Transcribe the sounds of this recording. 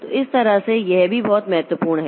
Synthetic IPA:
t̪oɪst̪ɐɾasejɛɦbʱibɔːt̪mɐɦɛt̪wəpuːɾɳɦɛː

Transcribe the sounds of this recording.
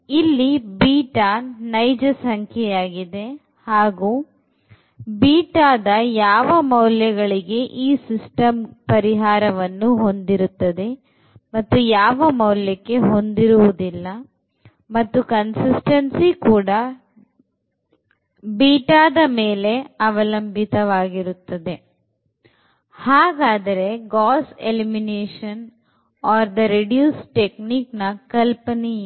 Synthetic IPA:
ilːibiːʈanɐjd͡ʒɐsɐŋkʰjɛjaːɡid̪e̞ | haːɡuː | biːʈaːd̪ɐjaːʋɐmɐwljɐɡɐɭiɡe̞ʔiːsisʈɐmpɐɾiɦaːɾɐʋɐnːuɦo̞nd̪iɾut̪ːɐd̪e̞ | mɐt̪ːujaːʋɐmɐwljɐkːe̞ɦo̞nd̪iɾuʋud̪ilːɐ | mɐt̪ːukɐnsisʈɐnsikuːɽɐ | biːʈaːd̪ɐmeːle̞ɐʋɐlɐmbʱit̪ɐʋaːɡiɾut̪ːɐd̪e̞ | haːɡaːd̪ɐɾe̞ɡaːselimineːʂɐn | ɔːɾd̪ɐɾeɖjuːsʈekniːknɐkɐlpɐni

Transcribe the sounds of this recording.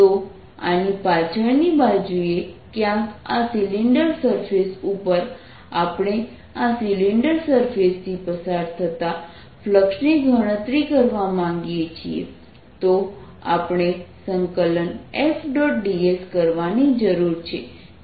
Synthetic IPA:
t̪o | a̰nipat͡ʃʰəɭnibad͡ʒuiekjãkasiliɳɖəɾsəɾfesupəɾ | apɳ̃e | asiliɳɖəɾsəɾfest̪ʰipəsaɾt̪ʰət̪a | fʰləkʂniɡʱəɽ̃ə̃t̪ɾikəɾʋamãŋɡijet͡ʃʰiḛ | t̪o | a̰pɽ̃esəŋkələnefɖɔʈɖieskəɾʋanid͡ʒəɾuɾt͡ʃʰe

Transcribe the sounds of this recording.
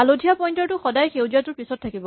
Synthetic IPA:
alodʱijapɔjntɔɹtʊxɔdajxewziatʊɹpisɔt̚tʰːakibɔ

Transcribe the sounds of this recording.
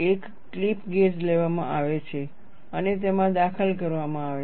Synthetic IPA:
ek | klipɡesleʋamã̰ʔaʋet͡ʃʰe | ənet̪emãd̪akʰəlkəɾʋamãaʋe

